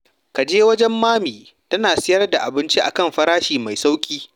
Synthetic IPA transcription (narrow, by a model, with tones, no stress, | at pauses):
ka˨d͡ʒeː˦wɐ˦d͡ʒɛ˦mːaː˦miː˨ | tɐ˦naː˨sɪ˦jɐ˦rda˨ʔa˨bɪ˦nt͡ʃi˦ʔa̰˨kɐ˦mɸɐ˦ɾaː˦ʃiː˨ma˨jsa˦wkʲʼiː˦